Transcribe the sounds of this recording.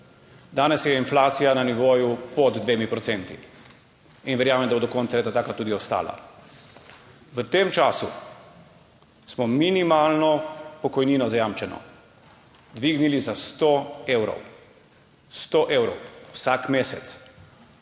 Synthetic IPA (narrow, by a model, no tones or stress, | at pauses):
d̪aːnɛsjɛinflaːt̪sijananiʋoːjupɔd̪d̪ʋeːmipɾɔt̪ent̪ḭ | inʋɛɾjaːmɛnd̪bod̪ɔkɔnsaet̪at̪aːkat̪uːd̪iɔst̪a̰ːla̰ | ʋət̪emt͡ʃaːsu | smɔminimaːlnɔpɔkɔjniːnɔzajaːmt͡ʃɛnɔ̰ | d̪ʋiːɡnilizast̪oeːwɾɔ̰w | st̪oʔewɾɔ̰wwsakmeːsɛt̪s